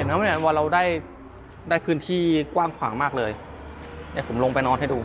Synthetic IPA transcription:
na˦˥m˧˦˩a˨˧˦nwaː˧ɾa˧wdaː˥˩j | daː˥˩jpʰɯː˦˥nt̪ʰiː˥˩kwaː˥˩ŋkʰwa̰ː˩˦ŋmaː˥˩k̚lɤː˧j | na˦˥˩pʰo˩˦mlo˧ŋpa˧jnɔː˧nha˥˩jduː˧

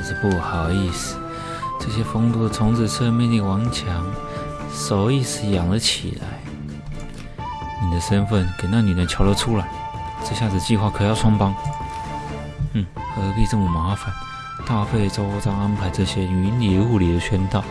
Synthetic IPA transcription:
ʂ̩˥˧pu˥˩xɑ˨˩ʊi˥˩sɹ̩˨˩ | t͡sɤ˥˧ɕ̬jɛ˥fɤ˥ŋt̪u˥˩d̪ə˩t̪ʰʊ˧˥ŋt͡sɹ̩˧˩t͡sʰɤ˥˧mjɛ˥˧nt̪i˥˩wɑ˧˥ŋt͡ɕʰjɑ˧˥ŋ | so˨˩ʊi˥˧sɹ̩˨˩jɑ˨˩ŋlə˦t͡ɕʰḭ˨˩la̰˧˥ɪ | ni˨˩d̪ə˦ʂə˥nfə˥˩nke˨˩ɪna˥˩ny˨˩nə˧˥nt͡ɕʰjɑ˧˥ʊlə˧ʈ͡ʂʰu˥la˨˧˦ɪ | ʈ͡ʂɤ˥˧ɕja˥˧˩d͡z̪ə˧t͡ɕi˥˧xwa˥˩kʰɤ˨˩jɑ˥˩sʰwɑ˥ŋpɑ˥ŋ | n̩˥˩˧pi˥˧ʈ͡ʂɤ˥˩mʊ˧˩ma˧˥fa˨˩n | t̪a˥˧fe˥˧ɪt͡so˥ʊ˧t͡sɑ˥˧ʊa˥npʰa˧˥ɪʈ͡ʂɤ˥˧ɕjɛ˥˧y˨˧˥nli˨˩˧u˥˩li˨˩d̪ə˦ɕɥɛ˥nt̪ɑ˥˩ʊ

